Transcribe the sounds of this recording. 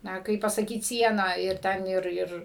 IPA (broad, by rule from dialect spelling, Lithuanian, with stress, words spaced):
ˈnɐ ˈkɐɪp pɐsɐˈkʲiːt ˈsʲiɛnɑː ɪr ˈtʲɛn ˈɪr ˈɪr